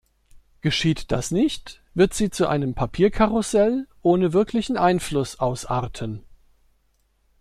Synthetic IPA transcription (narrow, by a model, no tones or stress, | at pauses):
ɡ̥əʃiːtd̥asnɪçtv̥ɪɐtz̥iːt͡suʔa̰ɪnəmpʰapʰiːɐkʰaʁʊsɛlʔoːnəvɪɐkʰlɪçn̩ʔaɪnflʊsʔaʊsʔaːɐtʰən